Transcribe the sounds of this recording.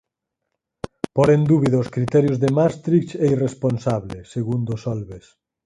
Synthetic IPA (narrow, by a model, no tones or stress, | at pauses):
poɾend̪uβiðaoskɾit̪ɛɾjozðemast̪ɾikt͡ʃeiresponsaβleseɣund̪osɔlβes